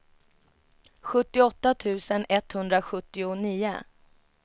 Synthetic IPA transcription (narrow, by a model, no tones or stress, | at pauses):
ɧɵt̪ːɪɔt̪ːat̪ʰʉ̟ːsənɛt̪hɵnd̪ɾaɧɵt̪ːɪʊniːʊ̰